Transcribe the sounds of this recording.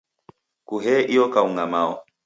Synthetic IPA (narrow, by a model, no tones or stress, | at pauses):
kuɦɛʔijɔkauŋɡamaɔ̰